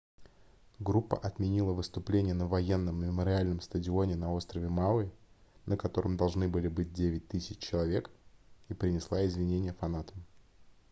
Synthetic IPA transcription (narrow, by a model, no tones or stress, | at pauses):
ɡɾupːə̰ʔɐt̪mʲɪnʲilˠəvɨst̪ʊplʲenʲɪjənəvɐjenːəmmʲɪməɾʲɪalʲnəmst̪ədʲɪo̞nʲɪnɐo̞st̪ɾəvʲɪmalˠɨnʔəkɐt̪o̞ɾəmd̪ɐlˠʐnɨbɨlʲɪbɨt̚ʲdʲevʲɪt̚ʲt̪ɨsʲɪt͡ɕt͡ɕːɪlˠɐvʲe̞kipɾʲɪnʲɪslˠaɪzvʲɪnʲenʲɪjəfɐnat̪əm